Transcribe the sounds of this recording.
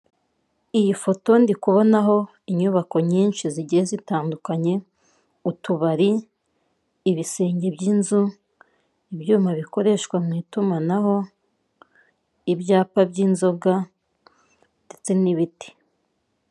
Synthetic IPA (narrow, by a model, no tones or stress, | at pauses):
ijifo̞to̞ndikuβo̞naɦo̞ | iɲuβako̞ɲiːnʃiziɟiezitaːndukaɲe̞ | utuβaɾi | βise̞ːɲɟe̞bɟiːnzu | ibjuːmaβiko̞ɾe̞ʃkwamŋiːtumanaɦo̞ | ibjaːpabɟiːnzo̞ɡa | ndet͡se̞niβiti̥